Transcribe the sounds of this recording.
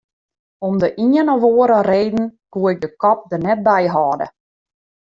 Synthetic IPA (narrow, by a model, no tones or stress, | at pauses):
ɔmdəʔiənɔʋoːəɾəreːdn̩kuəɪk̚dəkɔp̚dənɛt̚bɛjɦɑːdə̰